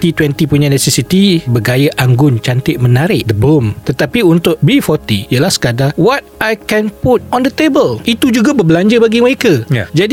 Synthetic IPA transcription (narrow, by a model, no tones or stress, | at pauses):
t̪it̪wɛnt̪ipuɲãnɛsɛsit̪ibəɡajaʔaŋɡʊnt͡ʃant̪ɪʔmə̃naɾɪʔd̪əbomt̪ət̪apiunt̪ʊʔ̚bifɔt̪iialahsə̥kadawɔt̪̚ajkɛ̃nput̪̚ɔnd̪ət̪ebəlit̪ud͡ʒuɡabərblaɲd͡ʒəbaɡiməɾekaj̰d͡ʒadi